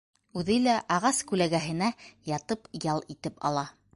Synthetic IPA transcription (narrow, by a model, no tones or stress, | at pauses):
ʉðɘlæʔɑʁɑskʉlæɡæɦɘ̆næjɑt̪ɤpjɑlˠit̪ɘpɑ̰lˠɑ